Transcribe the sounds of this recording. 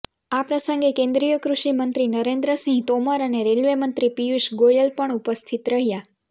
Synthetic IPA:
apɾəsəŋɡekẽnd̪ɾijəkɾuʃimənt̪ɾinəɾẽnd̪ɾəsĩɦt̪oməɾəneɾelʋemənt̪ɾipijuʃɡojəlpəɳupəst̪ʰit̪ɾəɦja

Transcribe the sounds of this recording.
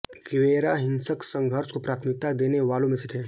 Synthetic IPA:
ɡɪʋeːɾaɦɪ̃nsəksɐ̃ŋɡʱəɾskopɾaːt̪ʰmɪk̚t̪ad̪eːneʋaːlõmẽsit̪ʰeː

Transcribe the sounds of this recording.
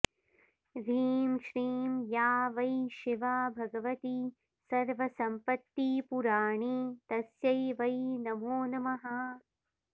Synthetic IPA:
ʋʱiːmʃɾiːmjaːʋɐjʃiʋaːbʱɐɡɐʋɐt̪i | sɐɾʋɐsɐmpɐt̪ːipuɾaːɳit̪ɐsjɐjʋɐjnɐmoːnɐmɐɦɐ

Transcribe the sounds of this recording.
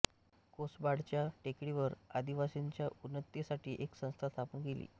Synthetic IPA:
kosbaɽt͡ɕjaʈekɽiʋəɾad̪iʋasiɲt͡ɕjaunːət̪jesaʈiːʔeksə̃w̃st̪ʰast̪ʰapənɡelḭː

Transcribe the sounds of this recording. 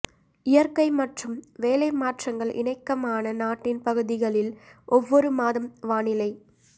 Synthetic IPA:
ɪjɐɾkɐɪmɐʈrɯmʋeːlɐɪmaːʈrɐŋɡɐɭʔɪ̰ɳɐɪkːɐmaːnɐnaːʈːɪnpɐɣɯðɪɣɐɭɪlʔɔʋːɔɾɯmaːðɐmʋaːnɪlɐɪ

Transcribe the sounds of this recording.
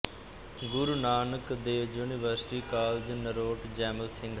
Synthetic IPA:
ɡʊɾunaːnəkd̪eːd͡ʒuːniʋəɾsʈiːkaːld͡ʒnəɾoːʈd͡ʒɛːməlsɪ̃ŋɡ

